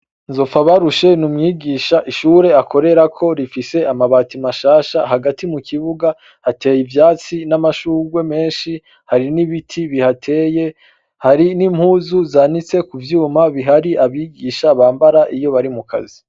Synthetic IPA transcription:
nzo̞faβaɾuʃe̞numŋiːɡiʃaʔiʃuːɾe̞akʰo̞ɾe̞ɾakʰo̞ɾifise̞amaβaːtimaʃaːʃaɦaɡatimukʰiβuɡa | hate̞ːjivjaːt͡sinamaʃuːɡwe̞me̞ːnʃi | haɾiniβitʰiβihatʰe̞ːje̞ | haɾinim̥huːzuzaːnit͡se̞kuvjuːmaβiɦaɾiʔaβiːɡiʃaβaːmbaɾaʔijo̞βaɾimukʰa̰zi

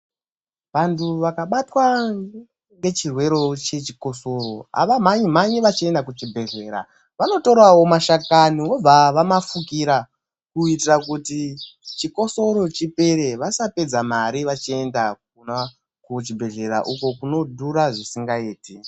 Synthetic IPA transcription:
ʋantʰuʋakaɓatwa | ŋɡe̞t͡ʃirwe̞ɾo̞t͡ʃe̞t͡ʃi̥ko̞so̞ɾo̞a̰ʋamaɲimaɲiʋat͡ʃie̞ndakut͡ʃibʱe̞ɮe̞ːɾa̰ | ʋano̞to̞ɾawo̞maʃakaniʋo̞b͡vaʋamafukiɾa | kuitirakuti | t͡ʃiko̞so̞ɾo̞t͡ʃipe̞ɾe̞ʋasape̞d͡zamaɾiʋat͡ʃie̞ndakuna | kut͡ʃibʱe̞ɮe̞ɾa̰ʔuko̞kuno̞dʱuɾaʐisiŋɡaeːti

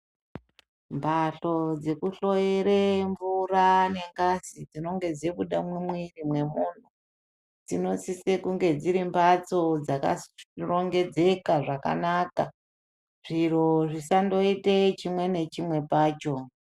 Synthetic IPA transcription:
mbʱaɬo̞d͡ze̞kuɬo̞jeɾeɱvuɾane̞ŋɡasid͡zino̞ŋɡe̞d͡zeɓuɗamwimwirimwe̞mun̤u | d͡zino̞t͡sisekuŋɡe̞d͡ziɾimbat͡so̞d͡zaka̰roŋɡe̞d͡ze̞kaʐaka̰naka | ʐ̥iro̞ʐisando̞itet͡ʃimwe̞ne̞t͡ʃimwe̞paːt͡ʃo̞

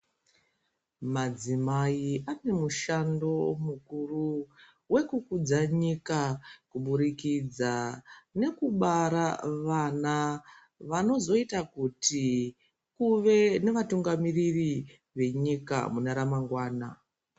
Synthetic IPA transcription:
mad͡zimaiʔane̞muʃando̞mukuru | we̞kukud͡zaɲikakuɓuɾikid͡zane̞kuɓaɾaʋana | ʋano̞zo̞itakuti | kuʋe̞ne̞ʋatuŋɡamiriri | ʋe̞ɲika̰munaɾamaŋɡwaːna

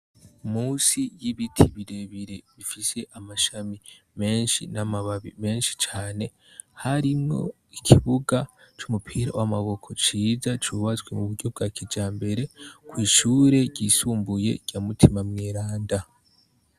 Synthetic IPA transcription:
umuːsijiβitʰiβiɾe̞βiɾeβifise̞ʔamaʃami | me̞ːnʃḭnamaβaβḭme̞ːnʃi̥t͡ʃaːne̞ | haɾimŋo̞̰ | ikʰiβuɡat͡ʃumupʰiɾa̰wamaβo̞kʰo̞t͡ʃiːzat͡ʃuβazɡwe̞muβuɾɟo̞b̚ɡakʰid͡ʒaːmbe̞ɾe̞kwiːʃuːɾe̞ɟiːsuːmbuje̞̰ɟ̥amutʰimamŋeːɾaːnda

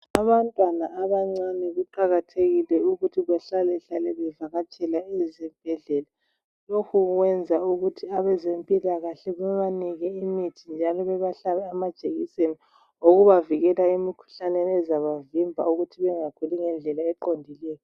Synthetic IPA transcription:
aβantʼwanaːβaŋ͡ǀanɛɣuǃaɣatʰeɣilɛuɣutʰiβaɬalɛɬalɛβɛvaɣat͡ʃʼɛlaɛzɛb̥ʱɛɮɛla | lokʰuɣwɛnd͡zʱauɣutʰiaβɛzempʼilaɣaɬɛβuɛβaniɣɛimitʰind͡ʒʱalɔβɛβaɬaβɛamad̥ʒ̥ʱeɣiseni | oɣuβaviɣɛlaimikʰu̥ɬanenɛzaβavimbʱa̰uɣutʰiβɛŋakʰuliŋɛnd͡ɮʱɛlaɛǃondʱilɛːjɔ

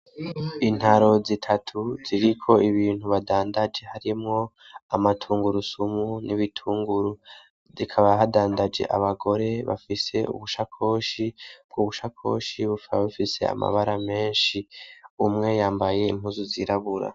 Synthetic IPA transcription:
in̥haɾo̞zitʰatʰuz̥iɾikʰo̞iβiːn̥huβadaːndad͡ʒe̞haɾimŋo̞ | amatʰuːŋɡuɾusumunʔiβitʰuːŋɡuɾu | zikʰaβaɦadaːndad͡ʒe̞̰ʔa̰βaɡo̞ɾe̞βa̰fise̞ṵβuʃakʰo̞ːʃib̥̚ɡuβuʃakʰo̞̰ːʃiβufβifise̞̰a̰mʔa̰βaɾame̞ːnʃiumŋe̞jaːmbaje̞imhuzuziɾaβuɾa̰

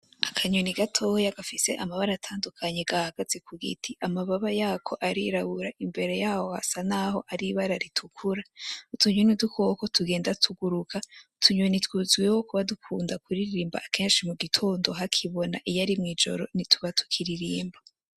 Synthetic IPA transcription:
akʰaɲuniɡatʰo̞hojaɡ̥afise̞ʔamaβaɾaatʰaːndukʰaɲeɡ̥ahaɡaz̥ekuɡḭtʰiʔamaβaβajaːkʰo̞ʔaɾiɾaβuɾaʔimbe̞ɾe̞jaːhoha̰sanaho̞ʔaɾiβaɾaɾitʰukʰuɾautuɲinudukʰoko̞tʰuɡeːndatʰuɡuɾukʰautʰuɲenitwuzɡwewokuβadukʰuːndakuɾiɾiɾiːmba̰ʔːkʰeːnʃimuɡitʰo̞ːndo̞ɦakʰiβo̞na̰ʔijaɾimŋiːd͡ʒo̞̰ɾo̞̰nituβatu̥kʰiɾiɾiːmba

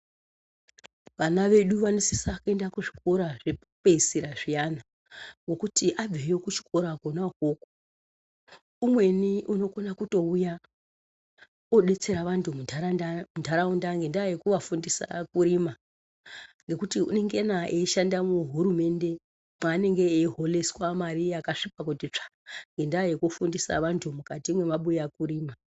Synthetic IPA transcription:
ʋanaʋe̞ɗuʋanisisakue̞ndakuʐiko̞ɾaʐe | peisiɾaʐijana | ŋɡo̞kutiʔab͡vejokut͡ʃi̥ko̞ɾakonakoko̥ | umwe̞niʔuno̞konakuto̞uja | oɗe̞t͡se̞ɾaʋantumuamundaɾaundaŋɡe̞ndajekuʋafundisa̰kuɾima | ŋɡe̞kutiṵne̞ŋɡenaʔeʃandamuɦuɾume̞nde̞ | mane̞ŋɡe̞ːiɦo̞leswamaɾijakaʂipak̬utit͡ʂḁŋɡe̞ndajekufundisa̰ʋantʰumukatimwe̞maɓujakuɾiːma

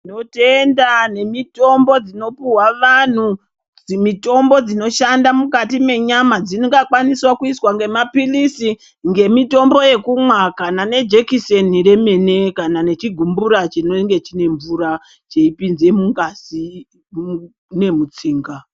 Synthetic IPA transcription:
no̞tendane̞mito̞mbo̞d͡zino̞piwaʋan̤u | d͡zimito̞mbo̞d͡zino̞ʃandamukatime̞ɲamad͡ziniɡakwaniswakuiswaŋɡe̞mapilisi | ŋɡe̞mito̞mbo̞je̞kumwakanane̞d͡ʒekisenire̞me̞ne̞kanane̞t͡ʃiɡʱumbuɾat͡ʃinoŋɡe̞t͡ʃine̞ɱvuɾa | t͡ʃeipinze̞muŋɡasi | ne̞mut͡siːŋɡa

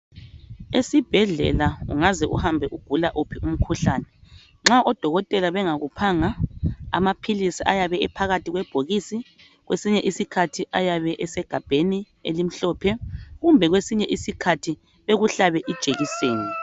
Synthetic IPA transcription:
esib̥ʱɛɮɛ̰laṵŋazɛʔṵhambʱɛʔuɡ̥ʱulaʔopʰiʔum̩kʰuɬaːnɛ | ŋ͡ǁaʔɔd̥ʱɔɣɔtʼɛlaβɛŋaɣupʰaːŋaa̰mapʰilisiʔajaβɛɛpʰaɣatʰiɣwɛb̥ʱoɣisi | ɣwesiɲɛʔisikʰatʰiʔajaβɛʔɛsɛɡ̥ʱab̥ʱeni | ḛlim̩ɬɔpʰɛɣumbʱɛɣwesiɲɛʔisikʰatʰi | βeɣuɬaβɛʔid̥ʒ̥ʱeɣiseːni

